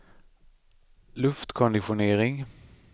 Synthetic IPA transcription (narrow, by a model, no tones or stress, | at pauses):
lɵft̪kʰɔnd̪ɪɧʊneːɾɪŋ